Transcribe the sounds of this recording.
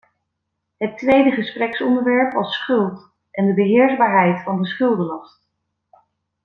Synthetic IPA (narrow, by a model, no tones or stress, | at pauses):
ɦətʋejdəχəsprɛksɔndəɹʋɛɹpʋɑsχɵlˠt | ʔɛndəbəɦɪːɹzbaːɹɦɛjtfɑndəsχɵlˠdəlɑst